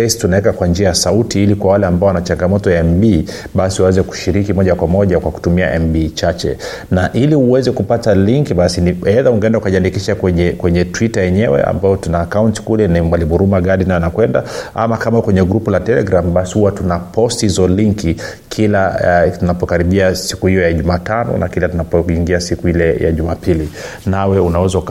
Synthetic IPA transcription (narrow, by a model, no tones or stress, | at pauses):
istunaɛkakwand͡ʒiajasautiilikwawalɛambaɔwanat͡ʃaŋɡamɔtɔjaɛmɓi | ɓasiwawɛzɛku̥ʃiɾikimɔʄakwamɔʄakwaku̥tumia̰ʔɛmbit͡ʃat͡ʃɛ̰ | naʔiliuwɛzɛkupataliŋkiɓasinihɛðauŋɡɛndaukaʄiandikiʃakwɛɲɛkwɛɲɛtwitajɛɲɛwɛ̰a̰mbajɔtunaːkaunti̥kulɛnimwalimuɾumaɡaɗinajnakwɛnda̰a̰makamakwɛɲɛɡɾupulatɛlɛ̰ɡɾamɓasi̥huwatunapɔsthzɔliŋki | kʰilatunapɔkaɾiɓiasi̥kuhijɔjaʄumaːtanɔ̰na̰kilatunapɔiŋɡiasikuilɛja̰ʄumapili | nawɛunawɛzauk